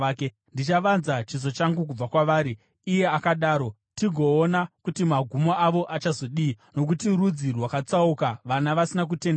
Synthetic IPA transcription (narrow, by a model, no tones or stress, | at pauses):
ke | ndit͡ʃaʋanzat͡ʃiz̬o̞t͡ʃaŋɡuk̬ub͡vakwaʋaːɾiː | je̞akaɗaːɾo̞ | tiɡʱo̞ːnakutimaɡʱumoaʋo̞ʔat͡ʃazo̞ɗi | no̞k̬utiɾud͡zirwakat͡saukaʋanaʋasinak̬ute̞nd